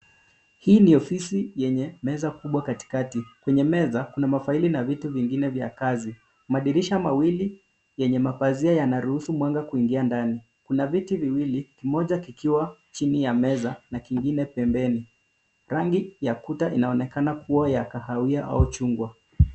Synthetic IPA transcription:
hiːniɔfisijɛɲɛmɛzakuɓwakati̥katikwɛɲɛmɛzakunamafailinavituviŋɡinɛvja̰kazi | maɗiɾiʃamawili | jɛɲɛmapaziajanaɾuhusumwaŋɡakuiŋɡiandani | kunavitiviwilikimɔʄakikiwat͡ʃinijamɛzanakiŋɡinɛpɛmbɛni | ɾaŋɡijakutaʔinaɔnɛkanakuwajakahawiaʔa̰ut͡ʃuŋɡwa

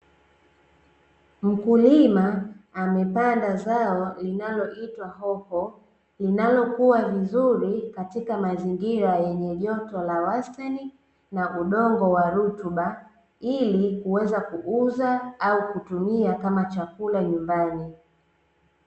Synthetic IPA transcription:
m̩kulimaːmɛpandazaɔlinalɔʔitwaɦɔhɔ | linalɔkuwavizuɾikatikamaziŋɡiɾajɛɲɛʄɔtɔlawastani | naʔuɗɔŋɡɔwaɾutuɓa | ilikuwɛzakuʔuzaaukutumiakamat͡ʃakulaɲumbani

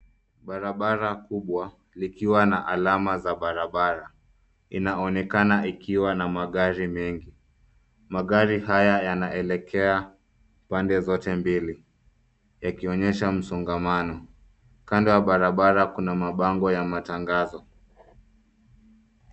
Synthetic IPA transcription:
ɓaɾaɓaɾakuɓwa | likiwanaʔalamazaɓaɾaɓaɾa | inaɔnɛkanaʔikiwanamaɠaɾimɛŋɡi | maɠaɾihajajanaʔɛlɛkʰɛa | pandɛzɔtɛmbili | jakiɔɲɛʃam̩sɔŋɡamanɔ | kandɔjaɓaɾaɓaɾakunamaɓaŋɡɔjamataŋɡazɔ

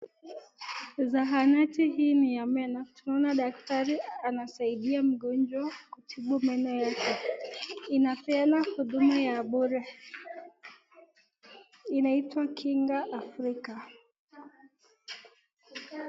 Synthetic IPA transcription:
zaɦanatihiːnijamɛnɔtunaɔnaɗak̚taɾianasaiɗiam̩ɠɔnd͡ʒwakutʰiɓumɛnɔjakɛ | inapɛanahuɗumajaɓɔɾɛ | inaitwakʰiŋɡaʔːfɾika

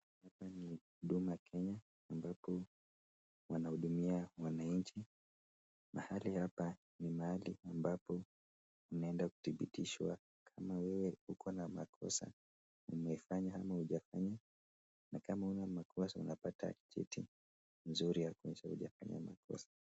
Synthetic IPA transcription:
hapani | ɗumakʰɛɲaː | mbapɔ | wanahuɗumiawanaɲt͡ʃi | mahalihapa | nimaaliambapɔ | unaɛndaku̥θiɓḭtiʃwa̰ | kʰamawɛwɛhukʰɔnamakʰɔ̰sa̰ | ṵmɛifaɲahamahuʄafaɲa | nakamaunamakʰɔsaṵnapata̰t͡ʃɛ̰tḭ | nzuɾijakuɛʃahuʄa̰faɲa̰ma̰kʰɔ̰sḁ

